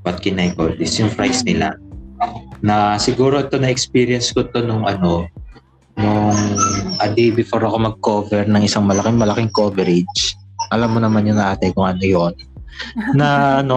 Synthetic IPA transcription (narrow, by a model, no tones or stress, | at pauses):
pɐt̪̚kɪnajkod̪ɪsjʊŋfɾajsnɪla̰ | nɐsɪɡuːɾo̞ʔɪt̪o̞nɐʔɛkspiːɾɪjɐnsko̞t̪o̞nʊŋʔɐno̞ | nʊŋʔɐd̪ibɪfoɾɐko̞mɐɡ̚ko̞ːvɛɾnɐŋʔɪsaŋmɐlɐkɪŋmɐlɐkɪŋko̞vɛɾɪd͡ʒ | ʔɐlamːonɐmanjʊnʔaːt̪ɛkʊŋʔɐno̞jo̞n | nɐno̞